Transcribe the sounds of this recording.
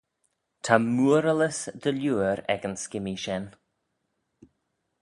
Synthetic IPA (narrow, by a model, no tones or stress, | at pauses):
t̪ʰamuəɾələsd̪əljuːəɾɛ̰ɡənskɪmiʃɛn